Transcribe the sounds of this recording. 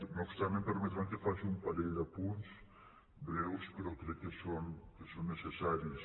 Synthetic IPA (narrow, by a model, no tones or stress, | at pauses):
nokst̪amẽmpeɾmet̪mãŋkefaʃũmpalejd̪ɐpunus | bɾewspɾot̪ɾekesonkesonːesesaɾis